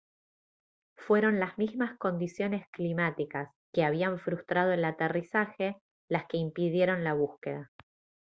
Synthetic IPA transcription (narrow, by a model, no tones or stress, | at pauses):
fwe̞ɾo̞nlazmizmasko̞nd̪isjo̞ne̞sklimat̪ikas | keaβ̞iaɱfɾust̪ɾað̞o̞elat̪erisaxe̞ | laske̞impiðje̞ɾo̞nlaβ̞uskḛða